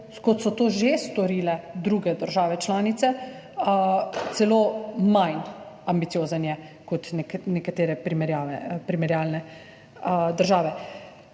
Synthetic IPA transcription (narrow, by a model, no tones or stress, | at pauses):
kɔt̪sɔt̪oːʒest̪ɔɾiːlɛd̪ɾuːɡɛd̪əɾʒaːʋɛt͡ʃlaːnit̪sɛ | t̪sɛloːmajn | ambit̪sijoːzənjɛ | kɔt̪nɛkat̪eːɾɛpɾimɛɾjaːpɾimɛɾjaːlnɛ | d̪əɾʒaːʋɛ